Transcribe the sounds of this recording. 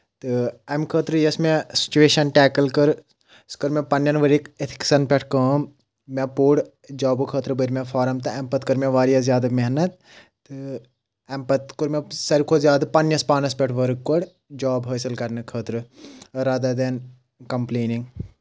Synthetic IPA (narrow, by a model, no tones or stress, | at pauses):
t̪ɨɐmkʰəːt̪ɾɨjɐsmẽsi̥t͡ʃuʋeːʃɐnʈɛːkɐlkɨɾ | skɨɾmẽpɐnjɐnʋɐɾiket̪ʰi̥ksɐnpʲeʈʰkɐːmː | epuːɽ | d͡ʒaːbɨkʰəːt̪ɾɨbəɾmʲẽfʰaːɾɐmt̪ɨɐmpɐt̪kɨɾmẽʋaːɾijɐzʲjaːd̪ameɦnɐt̪̚ | t̪ɨ | ɐmpɐt̪kuɾmẽsɐɾkʰozjaːd̪pɐnjɐspaːnɐspʲeʈʰʋɐɾɨkkːoɽ | d͡ʒaːbɦəːsɐlkɐɾnɨkʰəːt̪ɾɨɾaːd̪ad̪en | kɐmpleːniŋɡ